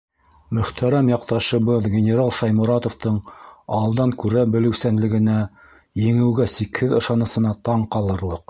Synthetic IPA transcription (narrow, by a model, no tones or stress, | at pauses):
mɵ̆χt̪ʰæɾæmjɑq̚t̪ɑʃɤ̆βɤðɡʲenʲeɾalˠʃɑjmɤ̆ɾɑt̪ŏft̪ɤɴɑlˠd̪ɑŋkʉɾæbɘ̆lɘ̆wsænlɘ̆ɡɘ̆næ | jɘ̆ŋɘ̆wɡæsikhɘðɤ̆ʃɑnɤ̆sɤ̆nɑt̪ɑɴqɑlˠɤ̆ɾlˠɤq